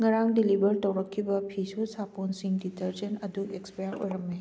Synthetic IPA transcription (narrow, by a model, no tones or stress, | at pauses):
ŋɐɾaŋdilibʱɐɾtɐwɾɐkʰːibɐpʰisusaponsiŋditɐɾd͡ʒɐnɐduʔekspejaɾo̰jɾɐmːe